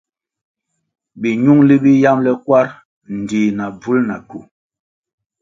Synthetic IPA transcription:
bi˨ɲu˦ŋli˦bi˦ja˦mlɛ˦kwa˦ɾ | n̩˨diː˨na˨b͡vu˦lna˨ku˨

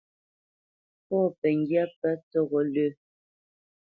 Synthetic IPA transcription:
pɔː˦˨pɛ˨ŋ˦ɡja˦pɛ˦tɔ˦˨ɣɔ˨lə˦˨

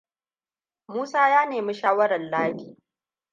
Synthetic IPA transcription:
muː˦saː˦jaː˦neː˨mi˦ʃaː˦wɐ˦ɾɐ˨nlaː˦ki̥ː˨

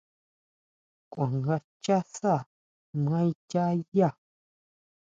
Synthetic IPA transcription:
kʷã˨ŋɡa˧ | t͡ʃa˦sa˦˨ | mã˦i˦t͡ʃʲa˦ja˦˨

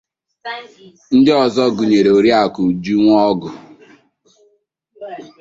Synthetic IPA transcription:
n̩˦dɪ˦ɔ˨zɔ˦ɡu˨ɲe˨ɾe˨o˨ɾja˦˨kʊ˨d͡ʒu˦ŋʷ˦ɔ˦ɡʊ˨

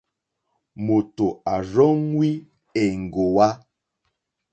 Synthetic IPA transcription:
mo˨to˨a˨ɾɔ˦ŋwi˦ | ɛ˨ŋ̩˨ɡo˨wa˦

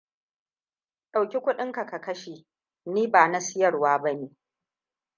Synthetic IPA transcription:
ɗa˨wkʲi˦kʷʊ˦ɗɪ˦ŋka˨ka˨kɐ˦ʃeː˨ | niː˦baː˨na˦sɪ˦jɐ˨rwaː˦bɐ˦neː˨

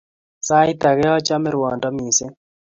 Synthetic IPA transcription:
sa˦i˦ta˨ɣɛ˦ɔ˦t͡ʃa˦mɪ˦ɾwɔ˨ndɔ˦mi˨sɛ˦

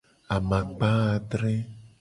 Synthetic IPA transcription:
a˨mã˨k͡pa˦˨ɖ̪ɾe˦

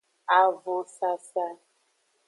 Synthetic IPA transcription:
a˨vʊ˨sa˨sa˦

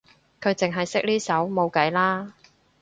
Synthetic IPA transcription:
kʰɵ˨˧ɥt͡sɪ˨ŋɦɐ˨jsɪ˥k̚liː˥sɐ˨˥wmo˨˧wkɐ˨˥jlaː˥

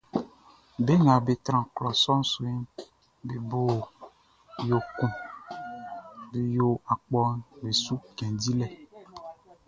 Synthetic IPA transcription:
be˦ŋã˨be˨t̪ɾã˨klɔ˨sɔ˦n˦so˨i˦n | be˨bo˨ | jo˨kũ˨ | be˨jo˨a˨k͡pɔ˦nbe˨su˦ɡɛ̃˨di˦lɛ˨

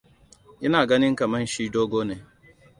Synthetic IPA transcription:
ɪ˦na˨ɡa˦nɪ˦ŋ̩˦ka˨ma˦n̩˦ʃi˦do˦ɡo˦ne˨

